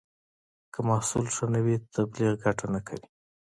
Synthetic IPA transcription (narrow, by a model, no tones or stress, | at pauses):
kəmɑhsulʂanawit̪ʰabliɣɡaʈanakʰa̰wi